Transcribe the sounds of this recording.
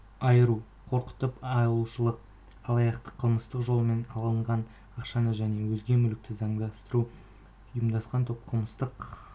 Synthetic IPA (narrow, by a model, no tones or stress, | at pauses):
ɑjəɾu | qʰo̞ɾqə̥t̪əpɑlˠuʃəlˠəq̚ | ɑlˠɑjɑqt̪ə̥qʰəlˠməst̪əqʒo̞lˠme̞nɑlˠəɴʁɑn | ɑqʃɑnəʒæne̞wɵzɡʲe̞mʏlɪk̚t̪ɪzɑɴd̪ɑst̪əɾu | jəmd̪ɑsqɑnt̪ʰop̚qʰəlˠməst̪əq